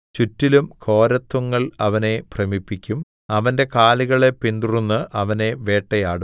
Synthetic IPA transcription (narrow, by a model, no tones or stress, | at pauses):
t͡ɕutːilumkʰo̞ːɾɐt̪ːuŋːɐɭɐʋɐne̞prɐmipːikʲːum | ɐʋɐnde̞kaːliɣɐɭe̞pind̪urunːɨʔɐʋɐne̞ʋe̞ːʈːɐjaːɽu